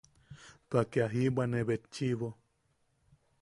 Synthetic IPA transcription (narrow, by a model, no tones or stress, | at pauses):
t̪akeaɦibaneβet͡ʃːiβo